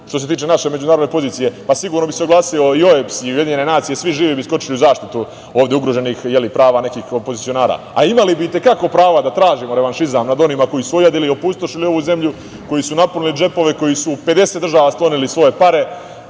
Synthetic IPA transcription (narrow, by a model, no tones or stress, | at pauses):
ʃt̪o̞s̬e̞t̪iːt͡ʃenaʃe̞me̞d͡ʒunaːɾod̪nepo̞ziːt̪sije̞pasiɡuːɾnobiseoɡlˠaːsioio̞epsiujed̪iɲenenaːt̪sije̞sʋiʒiːʋibisko̞t͡ʃiliuzaːʃt̪it̪u | o̞ːʋd̪jeuɡɾoʒe̞niːxjelipɾaːʋaːne̞kiːxopozit̪sio̞naːɾa̰ːa̰imalibiit̪e̞kako̞pɾaːʋad̪at̪ɾaːʒimo̞ɾe̞ʋanʃizamnad̪o̞nimako̞jisuojad̪ilio̞pust̪o̞ʃilio̞ʋuːze̞mʎu | ko̞jisunaponilid͡ʒe̞po̞ʋe̞ko̞jisupe̞d̪e̞set̪d̪r̩ʒaːʋasklo̞nilisʋo̞je̞paɾe̞